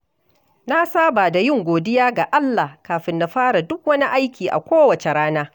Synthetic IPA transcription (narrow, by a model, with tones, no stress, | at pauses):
na˦saː˦baː˨da˨jɪ˦˨ŋɡʷoː˨dɪ˦jaː˦ɡa˨ʔa˦lːaː˨hkaː˨ɸɪ˦nːa˨ɸaː˦ɽa˨dʊ˦k̚wɐ˦ni˦ʔa˦jkʲiː˨ʔa̰˨kʷoː˦wɐ˨t͡ʃe˨ɽaː˦naː˦